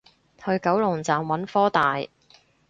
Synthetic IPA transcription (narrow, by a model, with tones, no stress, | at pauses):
hɵ˧ɥkɐ˨˥wlʊ˨˩ŋt͡saː˨mwɐ˨˥nfɔː˥t̪aː˨˩j